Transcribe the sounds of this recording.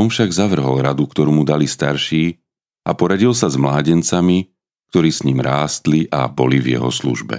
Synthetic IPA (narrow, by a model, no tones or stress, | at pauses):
ɔnfʃaɡzaʋr̩ɦɔlˠɾad̪ukt̪ɔɾuːmud̪alist̪aɾʃiː | apɔɾaɟilsazmlaːɟɛnt͡sami | k̚t̪ɔɾiːsɲimɾaːst̪liʔa̰bɔlivjɛ̰ɦɔ̰slṵʒbɛ̰